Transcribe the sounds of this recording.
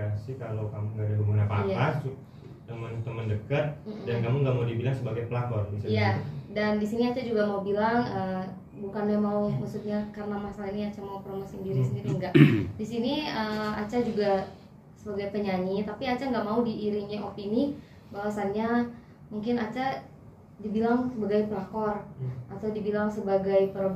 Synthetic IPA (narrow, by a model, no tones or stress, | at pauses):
asikalawkamʊŋɡadabəmunapa̰jaasu | t̪əmənt̪əməndəkət̪̚m̩dankamʊŋɡaʔmaudibilaŋsəbaɡajpəlaɡɔrbisaijadandisiniat͡ʃad͡ʒuɡamaubilaŋə | bukanamaumaksut̪̚ɲakarənamasalainiat͡ʃamaupɾomasəndiɾisənndiɾiŋɡaʔdisiniəat͡ʃad͡ʒuɡa | səbaɡajpəɲaɲit̪apiat͡ʃaŋɡaʔmaudiːɾiɲɲaʔopini | bawasanɲa | muŋkɪnat͡ʃa | dibilaŋsəbaɡajpəlakɔrʔat̪awdibilaŋsəbaɡajpər